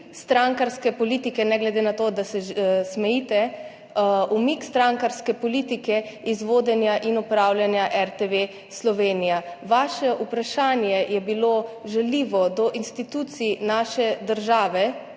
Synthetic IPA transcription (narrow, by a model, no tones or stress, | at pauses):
st̪ɾaŋkaɾskɛpɔliːt̪ikɛnɛɡlɛd̪enat̪oːd̪asɛsmɛjit̪ɛ | umikst̪ɾaŋkaɾskɛpɔliːt̪ikɛizʋoːd̪ɛnjaʔinɔpɾawljanjaʔɛɾt̪eʋe | slɔʋeːnijaʋaʃɛʔupɾaʃaːnjɛjɛbiloʒɛliːʋɔd̪ɔʔinst̪it̪ut̪sinaːʃɛd̪əɾʒaːʋɛ